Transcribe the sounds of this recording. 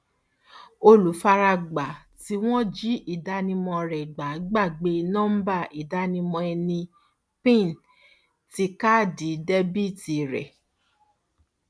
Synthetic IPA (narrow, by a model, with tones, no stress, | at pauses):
o˧lu˨˦fa˧ɾa˧ɡ͡ba˨ | ti˧˦w̃ɔ̃˦d͡ʒi˦ʔi˦˨da˨˦nĩ˧mɔ̃˧ɾɛ˨ɡ͡ba˨˦ɡ͡ba˦˨ɡ͡be˧˦˧nɔ̃˦m̩˦ba˦˨ʔi˨da˦nĩ˧mɔ̃˧ɛ˧nĩ˧ | pĩ˦˨n˨ | ti˧˦ka˦˨di˨˦dɛ˦bi˦ti˨ɾɛ̰˨